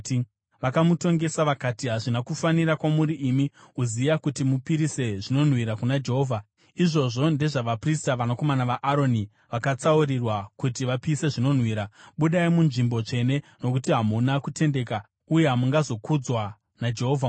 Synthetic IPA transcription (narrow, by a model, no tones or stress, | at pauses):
ʋakamuto̞ŋɡe̞saʋakatiɦaʐinakufaniɾakwamuɾiʔːmiuzijakutimupiɾise̞ʐino̞n̤wiɾakunad͡ʒe̞ɦo̞ːvʱa | iʐo̞ʐo̞nde̞ʐaʋapristaʋanako̞manaʋaʔaɾo̞ni | ʋakat͡sauɾirwakutiʋapiːse̞ʐino̞n̤wiːɾaɓuɗaimunʐimbo̞t͡ʂe̞ne̞no̞kutiɦamunakute̞nde̞ːka | uje̞ɦamuŋɡazo̞kud͡zwa | nad͡ʒe̞ɦo̞ːvʱa